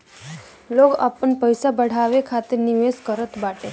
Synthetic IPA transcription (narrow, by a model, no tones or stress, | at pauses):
loka̰pəɳpəjsabəɽ̤aʋekʰat̪eniʋeskəɾət̪baʈe